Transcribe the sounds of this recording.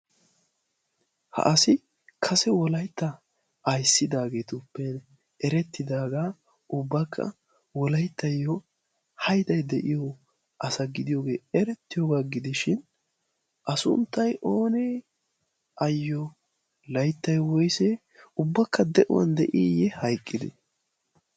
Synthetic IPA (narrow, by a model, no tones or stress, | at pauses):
hɐ̰ʔɐsɪ | kʰɐsɛwɔlɐjt̪ːɐː | jsːɪd̪aːɡe̞ːt̪ʊpːɛn | ɛɾɛt̪ːɪd̪aːɡaː | ʔʊbːɐkʰːɐ̰ | wɔlɐjt̪ʰːɐjːɔ | hɐjt̪ɐjd̪ɛʔɪjɔ | ʔɐsɐɡɪd̪ɪjoːɡe̞ːɛɾɛt̪ːɪjoːɡaːɡɪd̪ɪʃɪn | ʔɐsʊ̰nt̪ːɐjʔo̞ːnɛ | ʔɐjːɔ | lɐjt̪ːɐjwɔjsɛ | ʊbːɐkːɐd̪ɛʔɔ̰wɐ̰nd̪ɛʔiːjɛhɐjkʼːɪd̪ɪ̰